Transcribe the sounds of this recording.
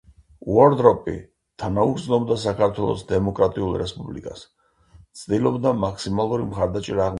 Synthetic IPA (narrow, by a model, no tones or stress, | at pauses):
uɔɾd̪ɾɔpʼḭ | t̪ʰanaut̪sʼnɔbd̪asakʰaɾt̪ʰwɛlˠɔ̰sd̪ɛmɔkʼɾat̪ʼiulˠɾɛspʼublḭkʼas | t̪sʰd̪ilˠɔbd̪amakʰsimalˠuɾimχaɾd̪at͡ʃʼɛɾaːʁ